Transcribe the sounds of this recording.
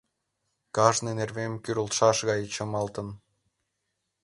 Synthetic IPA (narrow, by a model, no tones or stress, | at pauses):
kɑʒnenerβemkyɾəlt̪ʃɑʃɣɑjət͡ɕə̆mɑlt̪ə̆n